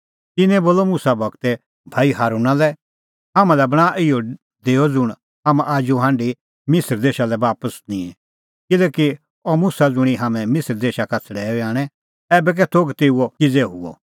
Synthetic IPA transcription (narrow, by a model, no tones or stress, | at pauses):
t̪ɪnɛ̃boːlomʊsabɐɡt̪ɛ | bʱaːiɦaːɾuːnãlɛ | ɦamãlɛbɐɽ̃aːʔɪjɔ | d̪eːɔd͡zʊɽ̃ | ɦamʔaːd͡ʒuɦãːɳɖi | mɪsəɾd̪eːʃalɛbaːpəsnĩɛ̃ | kɪlɛːki | ɔmʊsad͡zʊɽ̃iɦamɛ̃mɪsəɾd̪eːʃakat͡sʰəɽɛːɔaːɽ̃ɛ̃ | ɛːbɛk̬ɛt̪ʰoːɡt̪eːuɔkid͡zɛɦʊɔ̰